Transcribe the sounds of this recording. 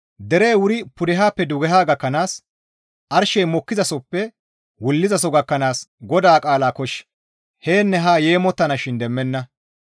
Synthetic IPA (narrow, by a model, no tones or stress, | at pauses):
d̪ɛɾeːwʊɾɪpʊd̪ɛɦaːpːɛd̪ʊɡɛɦaːɡɐkːɐnaːs | ʔɐɾʃɛjmɔkːɪzɐsɔpːɛ | wʊlːɪzɐsɔɡɐkːɐnaːsɡɔd̪aːkʼaːlaːkɔʃ | heːnːɛɦaːje̞ːmɔt̪ːɐnɐʃɪnd̪ɛmːɛnːɐ